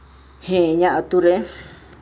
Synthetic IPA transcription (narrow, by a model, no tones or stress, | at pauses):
hẽɲãʔãt̪uɾe